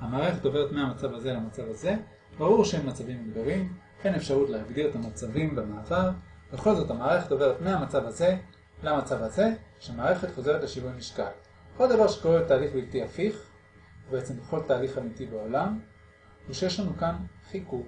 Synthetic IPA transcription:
hamaːʁeχe̞tove̞ʁetmeamat͡savaze̞lamat͡savaze̞ | baʁuʁʃehemːat͡savimeɡd̪olim | ʔe̞jne̞fʃaʁutlehaɡd̪iʁet̪amat͡savimbemaːvaʁbeχo̞lzo̞tamaːʁeχeto̞ve̞ʁet̪meamat͡savaze̞ | lamat͡savaze̞ʃeamaːʁe̞χe̞t̪χo̞ze̞ʁ̞etleʃivujniʃkal | old̪avaʁʃe̥koʁetaːliχbiltiafiχ | beet͡sembeχo̞ltaːliχamitibeo̞lam | veʃejeʃlanukanχikuk

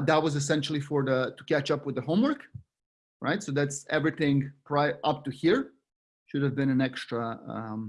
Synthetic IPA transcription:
ðət̚wʌzɨs̬ɛ̃nʃl̩ˠifə˞ðətukæt͡ʃʌpwɨðəɦõʊ̃mwɜ˞k | ɹa̰ɪtsoʊðætsɛvɹiθɪ̃ŋpʰɹ̥aɪʔʌp̚tuhiɹ | ʃʊɾɨvbɨ̃ñɨ̃nɛkstɹ̥əʌ̰̃m

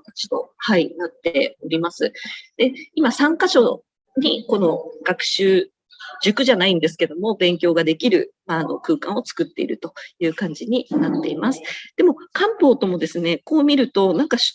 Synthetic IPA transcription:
at͡ɕi̥t̪ohainat̪ːeo̞ɾʲimasɨd̪̥e̞imasãŋkaɕo̞ | ɲ̟iko̞no̞ɡ̥akɯ̟̥ɕɨː | ʑɨkɯ̟ʑanaĩnd̪e̞s̬ɨ̥ke̞d̪o̞mo̞bẽ̞ŋkʲo̞ːɡad̪e̞kʲiɾɯ̟̰maːno̞̰kɯ̟ːkã̰ɰ̃o̞t͡sɨ̥kɯ̟t̪ːe̞̰ḭɾɯ̟t̪o̞jɯ̟ːkãɲ̟d͡ʑiɲ̟inat̪ːe̞imasɨ̥d̪̥e̞mo̞kãmpo̞ːt̪o̞mo̞d̪e̞sɨne̞ko̞ːmʲiɾɯ̟t̪o̞nãŋkaɕ

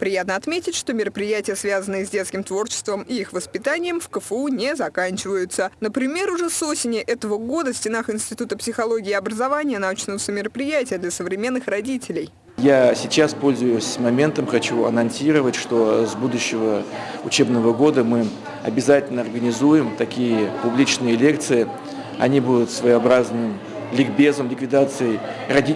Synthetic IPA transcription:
pɾʲɪjat̪nəɐt̪mʲetʲɪtʲʂt̪o̞mʲɪɾəpɾʲɪjætʲɪjəsvʲazənɨjəzʲdʲe̞t̪skʲɪmt̪vo̞rt͡ɕɪ̥st̪vəmɪixvəspʲɪt̪anʲɪjəmfkəfəunʲezɐkanʲt͡ɕɪvəjʊt̪sənəpɾʲɪmʲe̞ɾʊʐɛso̞sʲɪnʲɪʔɛt̪əvəɡo̞d̪əsʲtʲɪnaxɪnsʲtʲɪt̪ut̪əpsʲɪxɐlˠo̞ɡʲɪːɐbɾəzɐvanʲɪjənɐut͡ɕnəvəsəmʲɪɾəpɾʲɪjætʲɪjəd̪lʲɐsəvɾʲɪmʲe̞nːɨxrɐdʲitʲɪlʲɪj | jasʲɪt͡ɕaspo̞lʲzʊjʊsʲmɐmʲe̞nt̪əmxɐt͡ɕuɐ̰nɐnsʲiɾəvətʲʂt̪o̞zbud̪ʊɕːɪvəʊt͡ɕebnəvəɡo̞d̪əmɨ | ɐ̰bʲɪzatʲɪlʲnəɐrɡənʲɪzujɪmt̪ɐkʲijəpʊblʲit͡ɕnɨjəlʲe̞k̚t̪sɨɪ | ɐ̰nʲibud̪ʊt̪svəjɐbɾaznɨm | lʲɪɡbʲe̞zəmlʲɪkvʲɪd̪at̪sɨjəj | rɐdʲi

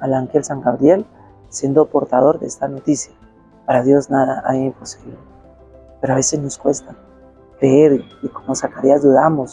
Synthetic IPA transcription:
alaŋkelsaŋɡaβɾje̞l | sje̞nd̪opo̞ɾt̪aðo̞ɾðeest̪ano̞t̪isja | paɾaðjo̞znaðaʔaimpo̞siβle | pe̞ɾoaβe̞se̞zno̞skwe̞st̪a | kɾeeɾiko̞mosakaɾiazd̪uðamo̞s

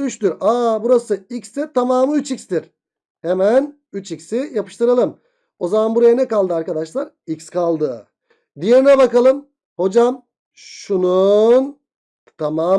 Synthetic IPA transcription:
yʃt̪yɾaːbuɾasɯikst̪ɛt̪ʰamaːmɯyt͡ʃicst̪iɾ | hemæn | yt͡ʃiksijapɯ̥ʃt̪ɯɾalˠɯm | o̞zamanbuɾajanɛkalˠd̪ɯaɾkad̪aʃlˠaɾ | ikskʰalˠd̪ɯ | d̪ije̞ɾinɛbakalˠɯm | ho̞d͡ʒam | ʃunun | t̪ʰamaː

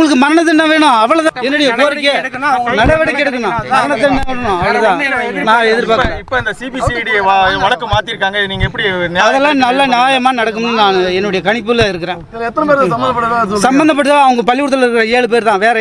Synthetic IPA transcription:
ŋɡɐɭɯkːɯmɐɾɐɳɐt̪̬ːɯnːãʋeːɳʊ̃ɐʋɐɭɐt̪ãːɛnːɯɽɐjɐpoːɾkːekːnːaŋɡɐnɐɽɐʋɐɽɐkːɛɽɯk̪ːɯnãːmɐɾɐnɐt̪̬ːɯɳːãːʋeːnʊ̃ɐʋɐɭɐt̪ãːnãːɛðɪɾpaːɾɪpːoːɪnd̪ɐsibisiɽɪʋɐɭɐkːɯmaːt̪ːiɾɯkːaːŋɡɐniːŋɡɐɛpːɐɽinɐðɛlːãːnɐlːɐnjaːjɐmaːnɐɽɐkːɯmnːɯnaːɛnːɯɽɐjɐkɐɳɪp̬ːɯlɐɪɾɯkːɯɾẽː | ɛtːɐɾpeːɾɐbɐnd̪ɐpːɐɐsɐmbɐnd̪ɐp̬ːɐʈːɯːt̪ːɯɐʋɐŋɡɐpɐlːɪʊɽɯt̪ːɐlɪɾɯkːɯɾẽːeːɭɯp̬eːɾt̪ãːʋeːɾɐ

